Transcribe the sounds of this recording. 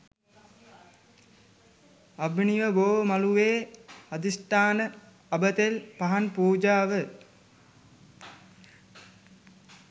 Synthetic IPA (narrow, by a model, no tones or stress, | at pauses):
ɐbʱniʋəboːmɐluʋeːɐd̪isʈ̪aːnə | ɐbət̪elpaɦanpuːd͡ʒaːʋə